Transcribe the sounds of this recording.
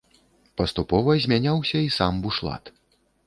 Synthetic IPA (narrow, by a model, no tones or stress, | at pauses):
pɐst̪upɔvɐzʲmʲanʲawsʲɐisambuʂlˠa̰t̪